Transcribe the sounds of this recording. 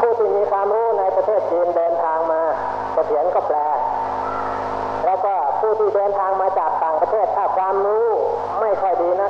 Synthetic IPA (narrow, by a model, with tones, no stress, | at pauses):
pʰuː˥˩t̪ʰiː˥˩miː˧kʰwaː˧mɾuː˦˥na˧jpɾa˧eː˥˩t̪̚t͡ɕiː˧ndɤː˧nt̪ʰaː˧ŋmaː˧ | t͡ɕa˧˩sʰi˩˦ənkɔː˥˩plɛː˧ | lɛː˦˥wkɔː˥˩pʰuː˥˩t̪ʰiː˥˩dɤː˧nt̪ʰaː˧ŋmaː˧t͡ɕaː˨˩k̚t̪aː˨˩ŋpɾa˧t̪ʰeː˥˩t̪ʰːaː˥˩kʰwaː˧mɾuː˦˥ | ma˥˩jkʰɔ˥˩jdiː˧na˦˥